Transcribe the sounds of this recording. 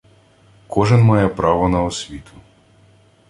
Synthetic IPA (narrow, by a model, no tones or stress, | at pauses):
kʰɔʒɛnmɑjɛpɾɑʋɔnɐɔsʲʋʲit̪ʰʊ̥